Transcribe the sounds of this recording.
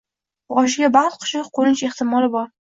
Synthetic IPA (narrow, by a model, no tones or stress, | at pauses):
ʁɒʃ̬ɪɡʲabaʁqʰʊ̥ʃɪqqʰːoɾɪnt͡ʃeχt̪ɪmɒlˠɪbɒɾ